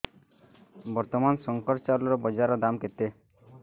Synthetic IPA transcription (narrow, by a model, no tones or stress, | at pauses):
bɔɾt̪ɔmansɔŋkɔɾt͡ʃaɾlɔɾɔbɔd͡ʒaɾɔd̪amket̪e